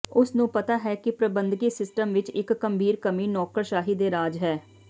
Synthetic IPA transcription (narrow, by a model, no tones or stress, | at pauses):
ʊsnũːpət̪aːɦɛːkɪpɾəbənd̪ɡiːsɪsʈəmʋɪt͡ʃɪkːəmbʱiːɾkəmiːnɔːkəɾʃaːɦiːd̪eːɾaːd͡ʒɦɛː